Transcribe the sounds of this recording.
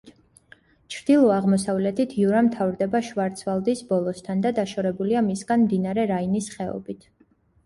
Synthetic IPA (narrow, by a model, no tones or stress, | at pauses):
t͡ʃʰɾd̪̥ilˠɔaʁmɔsavlɛt̪ʰit̪ʰiuɾamt̪ʰavɾd̪ɛbaʃvaɾt̪sʰvalˠd̪isbɔlˠɔst̪ʰand̪ad̪aʃɔɾɛbuliamisɡanmd̪inaɾɛɾainisχɛɔ̰bit̪ʰ